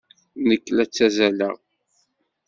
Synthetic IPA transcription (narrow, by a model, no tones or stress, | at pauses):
nəkːlæt͡sːæzælə̰ʁ